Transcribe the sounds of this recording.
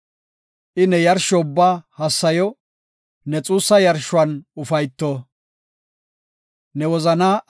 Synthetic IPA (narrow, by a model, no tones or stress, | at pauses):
ʔɪnɛjɐɾʃɔʊbːaːhɐsːɐjɔ | nɛt͡sʼuːsːɐjɐɾʃʊɐnʊfɐjt̪ːo | nɛwɔzɐnaː